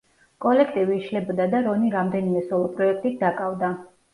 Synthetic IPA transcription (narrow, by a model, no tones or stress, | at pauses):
kʼɔlɛkʰt̪ʼiviːʃlɛbɔd̪ad̪aɾɔniɾamd̪ɛnimɛsɔlˠɔpʼɾɔɛk̚ʰt̪ʼit̪̚d̪akʼavd̪a